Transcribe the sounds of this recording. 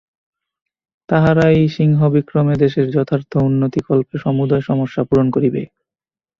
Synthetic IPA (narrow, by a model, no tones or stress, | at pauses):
t̪aɦaɾaejʃiŋɦobikɾomed̪eʃeɾd͡ʑɔt̪ʰaɾt̪ʰːounːot̪ikɔlpeʃɔmud̪aeʃɔmoʃːapuɾonkoɾibḛ